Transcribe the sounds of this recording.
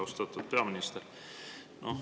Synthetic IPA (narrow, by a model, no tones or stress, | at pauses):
ost̪ɑt̪ːot̪̚peɑminist̪er | nʔo